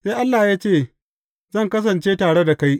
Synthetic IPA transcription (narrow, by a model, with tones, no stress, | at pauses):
se˦jʔa˦lːaː˨jaː˦t͡ʃeː˦˨ | zɐ˦˨ŋkɐ˦s̬ɐ˨nt͡ʃeː˦taː˨ɽe˦da˨ka˦j